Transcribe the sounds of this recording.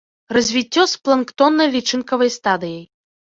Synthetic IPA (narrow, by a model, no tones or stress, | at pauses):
rɐzʲvʲit͡sʲːɔsplˠɐnkt̪ɔnːɐjlʲit͡ʂɨnkɐvɐjst̪ad̪ɨjɐj